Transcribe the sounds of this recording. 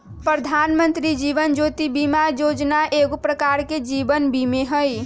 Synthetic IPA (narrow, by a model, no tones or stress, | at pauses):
pɾəd̪ʱaːnmənt̪ɾid͡ʒiʋənd͡ʒot̪ibimajoːd͡ʒnaʔeɡopɾəkaɾked͡ʒibənbimeɦəj